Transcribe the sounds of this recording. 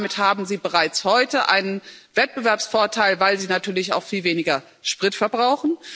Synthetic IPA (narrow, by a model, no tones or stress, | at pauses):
mɪthaːbm̩ziːbəʁaɪt͡shɔʏtəʔa̰ɪnənv̥ɛt̚b̥əvɛɐpsfoːɐtʰaɪlvaɪlziːnatʰyːɐlɪça̰ʊxfiːlveːnɪɡɐ | ʃpʁ̥ɪtfɛɐbʁaʊxn̩